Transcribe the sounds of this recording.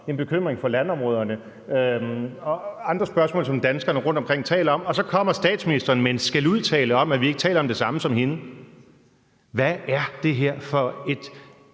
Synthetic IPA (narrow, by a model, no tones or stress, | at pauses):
e̝nb̥e̝kʰøm̰ʁeŋfɒ̽lænɒ̽mʁɔ̽ːð̞ˠɐnə | øɒ̽ɑ̈nd̥ʁɐsb̥ɶɐsmɔ̰ːlsɒ̽md̥ænsɡ̥ɐnəʁɔ̽n̰d̥ɒ̽mkʰʁeŋ̰t͡sʰɛ̰ːlɐɒ̽mɒ̽sɒ̽kʰɒ̽m̰ɐsd̥ɛ̰ːd̥sminisd̥ɐːnmensɡ̥æluðˠt͡sʰɛ̰ːləɒ̽mæʋie̝ɡ̥ət͡sʰɛ̰ːlɐɒ̽md̥e̝sɑ̈məsɒ̽mɦe̝nə | ʋææɐd̥e̝ɦeɐ̰fɒ̽e̝d̥